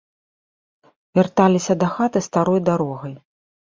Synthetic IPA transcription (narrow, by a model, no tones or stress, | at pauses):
vʲart̪alʲisʲɐd̪ɐxat̪ɨst̪aɾɔjd̪aɾɔɣɐj